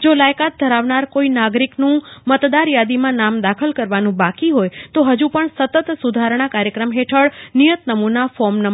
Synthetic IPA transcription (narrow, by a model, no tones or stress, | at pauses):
d͡ʒolajkat̪̚d̪ʱəɾaʋnaɾkoinaɡɾiknũmət̪d̪aɾjad̪imãnamd̪akʰəlkəɾʋanũbakiɦojt̪oɦəd͡ʒũpəɳsət̪ət̪sud̪ʱaɾɳ̃akaɾjəkɾəmɦeʈʰəɭnijət̪nəmunafɔmnə